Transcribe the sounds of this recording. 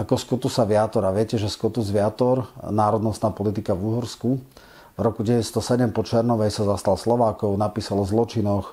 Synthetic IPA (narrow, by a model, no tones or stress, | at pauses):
akɔskɔt̪usaʋɪat̪ɔɾaʋɪɛcɛʒɛskɔt̪uzʋɪat̪ɔɾnaːɾɔd̪nɔst̪naːpɔlit̪̬ikavuɦɔɾsku | vɾɔkuɟɛʋɛcst̪ɔsɛɟɛmpɔt͡ʃɛɾnɔʋɛjsazast̪alslɔʋaːkɔʊnapiːsalzlɔt͡ʃinɔx